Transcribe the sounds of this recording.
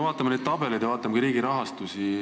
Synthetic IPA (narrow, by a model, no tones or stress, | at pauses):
vɑːt̪ːˑɑmɑned̪̥̚t̪ɑbe̞lid̪jɑvɑːt̪ːˑɑmkɑɾiːɡiɾɑɦɑst̪usi